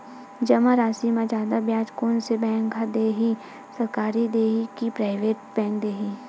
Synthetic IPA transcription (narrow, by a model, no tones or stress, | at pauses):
d͡ʒɐmaɾaːsimãd͡ʒaːd̪abjãːt͡ʃkoːnsebɛ̃ːŋkɦad̪eːɦi | sɐɾkaːɾid̪eːɦikipɾaːɪʋeːʈbɛ̃ːŋk̚d̪eːɦi